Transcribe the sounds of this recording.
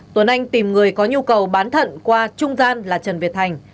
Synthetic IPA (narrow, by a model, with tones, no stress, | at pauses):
t̪wə˨˩nʔa˧jŋ̟t̪i˨˩mŋɨ˨˩əjkɔ˨˦ɲu˧kə˨˩wɓaː˨˦nt̪ʰə̰˧˨nkwaː˧t͡ɕʊ˧ŋ͡mzaː˧nlaː˨˩t͡ɕə˨˩nvi˨˩ət̚tʰa˨˩jŋ̟